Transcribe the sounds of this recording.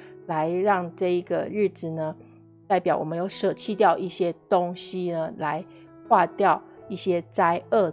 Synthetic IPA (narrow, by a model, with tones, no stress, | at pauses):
la˨˦ɪɻɑ˥˧ŋʈ͡ʂɤ˥˩i˧˥ɡə̰˨˩ɻ̩˥˩t͡sɹ̩˨˩nə˦ | t̪a˥˩ɪpjɑ˨˩ʊwɔ˨˩mə˦njo˨˩ʊʂɤ˨˩t͡ɕʰi˥˧t̪jɑ˥˧ʊʔi˥˩ɕjɛ˥t̪o˦ŋɕi˦nə˧la˧˦ɪ | xwa˥˧t̪jɑ˥˨ʊi˥˩ɕjɛ˥t͡sa˥ɪʔə˥˩